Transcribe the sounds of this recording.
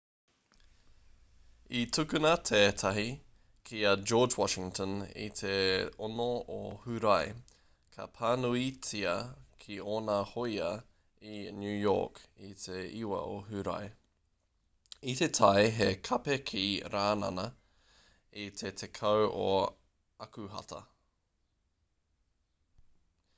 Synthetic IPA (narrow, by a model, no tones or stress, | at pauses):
itʰʉkʉnɐt̪ʰeːt̪ʰɐɦi | kʰiɐd͡ʒoːd͡ʒwɑʃɪŋtʰənḭt̪ʰeonoo̰hʉɾɐj | kʰɐ̰pʰaːnuit͡siɐkʰioːnahojɐ | injʉːjɔ̰ːkit̪ʰeiwɐ̰ʔoɦʉɾɐ̰j | it̪etʰɐjɦekʰɐpekʰiɾaːnɐ̰nɐ | it̪ʰet̪ʰekʰɐwo | ɐkʉɦɐ̰tʰɐ̰